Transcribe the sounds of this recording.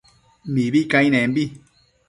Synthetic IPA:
mĩβikãĩnɛ̃mbi

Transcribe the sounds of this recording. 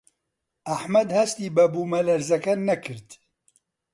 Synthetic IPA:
aħmɛd̪hɛst̪iːbɛbuːmɛlɛɾzɛkɛnɛkʰɨɾt̪

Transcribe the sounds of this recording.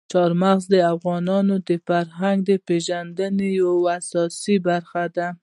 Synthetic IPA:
t͡ʃɑɾmaɣzd̪əafɣɑnɑnod̪əfaɾɦaŋɡd̪əpeʒand̪ənejawasɑsibaɾxad̪a

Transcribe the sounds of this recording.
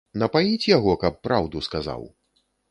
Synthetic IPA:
nɐpajnʲit͡sʲjaɣɔkɐpːɾawd̪uskaza̰w

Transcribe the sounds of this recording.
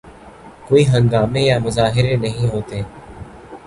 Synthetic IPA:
koːiːɦə̃ŋɡaːmeːjaːmʊzaːɦɪɾeːnəɦĩːɦoːt̪eː

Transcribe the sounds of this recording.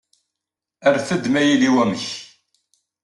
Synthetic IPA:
æɾθəd̪mæjiliwæməç

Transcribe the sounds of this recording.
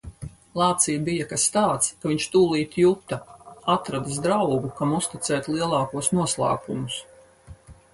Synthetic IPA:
lˠɑːt̪sijbijakast̪aːt̪skaviɲt͡ʃt̪uːlˠiːt̪jut̪ɐat̪ɾad̪as̬d̪ɾawɡukamust̪it̪sɛːt̪lˠiɛlˠɑːkuɔsnuɔslˠa̰ːkumus

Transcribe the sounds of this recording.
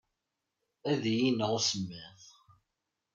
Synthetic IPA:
æðjinəʁsəmːəθ

